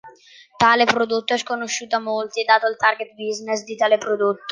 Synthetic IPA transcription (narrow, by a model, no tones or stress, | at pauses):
t̪aːlepɾod̪ot̪ːoɛskonoʃːuːt̪amolt̪ied̪ːaːt̪oilt̪arɡet̪̚biznesd̪it̪aːlepɾod̪ot̪ːo̥